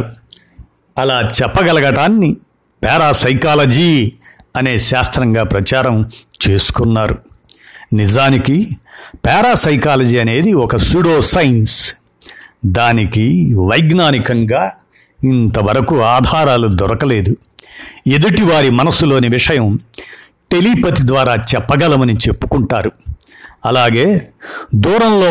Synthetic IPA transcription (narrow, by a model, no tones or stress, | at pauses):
ɐlaːt͡ʃɛpːɐɡɐlɐɡɐʈaːnːi | pɛːɾaːsɐjkaːlɐd͡ʒiːɐne̞ːʃaːst̪ɾɐŋɡaːpɾɐt͡ʃaːɾɐm | t͡ʃe̞ːsu̥kunːaːɾu | nizaːnikipɛːɾaːsɐjkaːlɐd͡ʒiːɐne̞ːd̪iɔkɐsuɽoːsɐjns | d̪aːnikiʋɐjɡnaːnikɐŋɡaː | int̪ɐʋɐɾɐkuaːd̪ʱaːɾaːlud̪ɔɾɐkɐle̞ːd̪u | e̞d̪uʈiʋaːɾimɐnɐsːulo̞ːniʋiʂɐjɐm | ʈe̞lipɐt̪id̪ʋaːɾaːt͡ʃɛpːɐɡɐlɐmɐnit͡ʃe̞pːu̥kuɳʈaːɾu | ɐlaːɡe̞ːd̪uːɾɐmloː